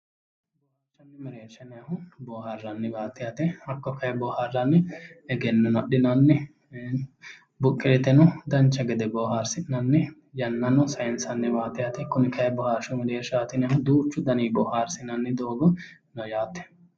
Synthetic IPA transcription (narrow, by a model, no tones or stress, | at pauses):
boːhat͡ʃːɐnːɛmɾeːʃɐnɛɐhʊboːɦɐɾrːɐnːɪbaːt̪ːɪjɐt̪ɛɐkːɔkɐjɛbɔːhaɾɐnːɪɛɡɛnːʊnɐɗɪnɐnːɛ | bʊkʼːeːt̪ɛnʊd̪ɐnt͡ʃːɐɡɛd̪ɛboːɦaɾsɪnɐnːɛ | jɐnːɐnʊsɐɛnsɐnːɪbaːt̪ɛjɐt̪ɛkʊnɪkɐjɛbɔhaːɾʃʊmɛɾeːʃaːt̪ɪnɪɐhʊd̪uːt͡ʃːʊd̪ɐniːbɔːhaːɾsɪnɐnːɪd̪oːɡɔ | nɔjaːt̪ːɛ̥